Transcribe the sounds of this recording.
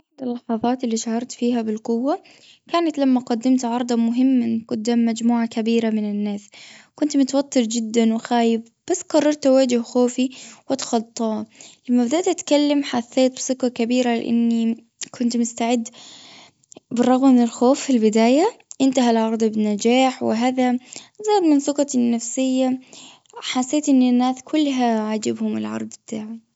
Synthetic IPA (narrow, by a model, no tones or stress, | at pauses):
ɪħd̪ɪlːɑħɑðˤɑːt̪ɪlːiʃahɑɾˤt̪fiːɦabɪlqʊwːa | kaːnat̪lamːaqad̪ːɪmt̪ʕɑɾˤd̪ˤɑmʊɦɪmːanqʊd̪ːaːmːad͡ʒmuːʕakabiːɾamɪnɪnːaːskʊnt̪mʊt̪awat̪ːɨɾd͡ʒɪd̪ːanwɪxaːjɪf | b̥asːqɑrˤːɑɾˤt̪awaːd͡ʒʊhxoːfiwɪt̪xɑt̪ˤːɑːlamːabɪd̪aːt̪ʔat̪kalːamħaθːeːt̪̚bsʊkːɑkabiːɾalɪ̰ʔa̰nːi | kʰʊnt̪mʊst̪aʕɪd̪ | bɨrˤːɑɣmamɪnɪlxoːfːilbɪd̪aːjaʔɪnt̪aɦalʕɑɾˤd̪ˤbɪnːad͡ʒaːħwɪ̰ɦaːðazaːd̪mɪnθʊqɑnːafsɪjːa | ħasːeːt̪ʔɪnːɪnːaːskʰʊlːɦaʕad͡ʒabhʊmɪ̰lʕɑ̰ɾˤd̪ˤbt̪aːʕa